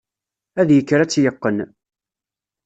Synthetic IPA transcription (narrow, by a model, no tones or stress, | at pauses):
æðjəkːɾæt͡sːjəqːən